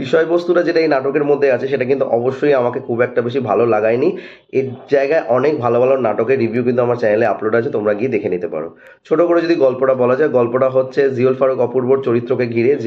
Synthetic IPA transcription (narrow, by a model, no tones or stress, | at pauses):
biʃɔebost̪uʈad͡ʑeʈaejnaʈokeɾmod̪ʱːeat͡ɕʰeʃeʈak̬int̪uʔɔboʃːoiamakekʰubɛk̚ʈabeʃibʱalolaɡajni | ed͡ʑaeɡaeʔɔnek̚bʱalobʱalonaʈokeɾɾibʱjuk̬int̪uamaɾt͡ɕajleaploɖat͡ɕʰet̪omɾaɡied̪ekʰenit̪epa̰ɾo̰ | t͡ɕʰoʈokoɽed͡ʑod̪ʱiɡɔlpoʈabɔlad͡ʑaeɡɔlpoʈaɦotːɕʰeziolfaɾokɔpuɾboɾ̚t͡ɕoɾit̪ːɾokeɡʱiɾed͡ʑ